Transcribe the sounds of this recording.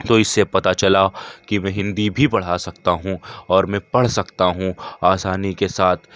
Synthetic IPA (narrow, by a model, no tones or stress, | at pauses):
t̪oɪsːepɐt̪at͡ʃɐlakimɛ̃ːɦɪ̃nd̪ibʱibɐɽ̤asɐkt̪aɦũɔːɾmɛ̃pɐɽ̤sɐkt̪aɦũaːsaːnikesaːt̪ʰ